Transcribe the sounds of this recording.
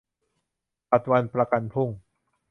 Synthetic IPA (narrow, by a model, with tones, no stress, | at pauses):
pa˨˩t̪̚wa˧npɾa˧ka˧npʰu˥˩ŋ